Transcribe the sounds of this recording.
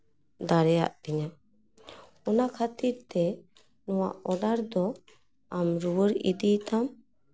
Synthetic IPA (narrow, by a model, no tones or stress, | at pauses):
d̪aɾɛja̰ʔbiɲa | ɔnakʰat̪iɾt̪ɛ | nɔwa̰ʔɔd̪aɾd̪ɔ | amɾuwəɾḭd̪it̪am